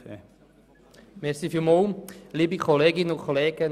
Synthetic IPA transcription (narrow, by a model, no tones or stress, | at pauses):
mɛɾsifylmolliːbikʰɔleːɡɪnəʊnkʰχɔleːɡə